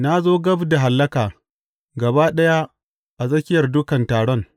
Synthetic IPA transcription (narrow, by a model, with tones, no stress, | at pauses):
na˦zoː˦ɡɐ˦bda˨ɦa˨lːɐ˦kaː˨ | ɡɐ˨baː˦ɗɐ˦ja˦ | ʔa˨zɐ˦kʲɪ˦jɐ˨rdʊ˦kɐ˨ntaː˨ɽɔ˦ŋ